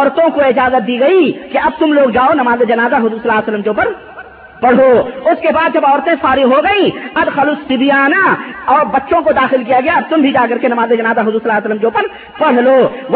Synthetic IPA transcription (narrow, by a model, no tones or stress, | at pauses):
ɔːɾt̪õkoɪd͡ʒaːzət̪̚d̪iːɡɐikeɐb̚t̪ʊmloːɡd͡ʒaːonɐmaːzed͡ʒɐnaːzaɦʊzuːɾsɐlaːsəlːəmd͡ʒõːpɐɾ | pɐɽ̤oːʊskebaːd̪̚d͡ʒɐbɔːɾt̪ẽfaːɾɪɦoɡɐĩːɐd̪xɐlʊsːɪbijaːnaɔːɾbɐtːʃõkod̪aːxɪlk̬ijaɡɐjaɐb̚t̪ʊmbʱid͡ʒaːkɐɾkenɐmaːzed͡ʒɐnaːzaɦʊzuːɾsɐlaːsələmd͡ʒõːpɐɾ | pɐɽ̤loːʋ